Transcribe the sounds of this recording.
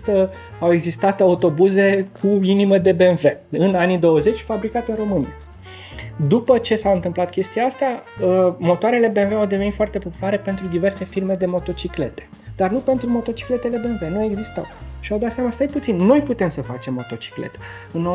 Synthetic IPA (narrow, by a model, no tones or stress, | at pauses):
t̪ə | awe̞ɡzist̪at̪aut̪o̞buze̞kʰuiniməd̪e̞be̞nve̞ɨnanid̪o̞wəze̞t͡ʃʲfabɾikat̪ɨro̞mɨni | d̪upət͡ʃe̞saɨnt̪ɨmplat̪kʲe̞st̪ijaast̪aəmo̞t̪oaɾe̞le̞be̞nveawd̪evenit̪foart̪e̞po̞pu̥laɾe̞pe̞nt̪ɾud̪ive̞rse̞firme̞d̪e̞mo̞t̪o̞t͡ʃikle̞̰t̪e̥ | d̪̥arnupe̞nt̪ɾumo̞t̪o̞t͡ʃi̥kle̞t̪e̞le̞be̞nve̞nue̞ɡzist̪a̰wʃiawd̪at̪seamast̪ajput̪sinːo̞jput̪e̞msəfa̰t͡ʃe̞mːo̞t̪o̞t͡ʃi̥klḛt̪ | ɨno